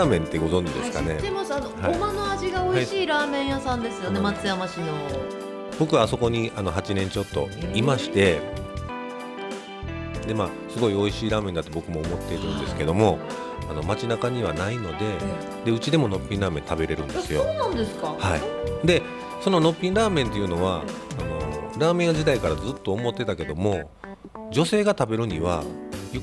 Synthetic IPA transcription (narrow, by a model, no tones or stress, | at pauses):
aːmẽ̞nt̪ːe̞ɡo̞zõ̞ɲd͡ʑid̪e̞sɨ̥kane̞emasanohaomanoaʑiɡao̞iɕiːɾaːmẽ̞ɰ̃jasãnd̪e̞sɨjo̞ne̞mat͡sɨjamaɕino | b̥o̞kɯ̟βaso̞ko̞ɲ̟iʔano̞ɦat͡ɕinẽ̞ɲ̟t͡ɕo̞t̪ːo̞̰imaɕi̥t̪e̞ | d̪e̞maː | sɨɡo̞io̞iɕiːɾaːme̞nd̪at̪ːo̞bo̞kɯ̟mo̞ːmo̞t̪ːe̞iɾɯ̟̃nd̪e̞sɨ̥ke̞d̪o̞mo̞ | ano̞mat͡ɕinakaɲ̟iβanaino̞d̪e̞ | d̪e̞ɯ̟t͡ɕid̪e̞mo̞no̞pʲːĩnɾaːmẽ̞nt̪abe̞ɾe̞ɾɯ̟̃nd̪esɨjo̞nand̪eskahaḭd̪e̞ | so̞no̞no̞pʲːĩnɾaːmẽ̞nt̪e̞jɯ̟no̞β̞aːno̞̰ɾaːmẽ̞ŋad͡ʑid̪aikaɾazɨt̪ːo̞ːmo̞t̪ːe̞t̪ake̞d̪o̞mo̞ | d͡ʑo̞se̞ːɡat̪abe̞ɾɯ̟ɲ̟iβajo